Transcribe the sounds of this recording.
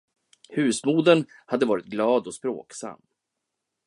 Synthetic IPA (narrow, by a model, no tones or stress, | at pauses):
hʉ̟ːsmuːd̪ənhad̪ːəvɑːɾɪt̪̚ɡlɑːd̪ɔspɾo̰ːksa̰mː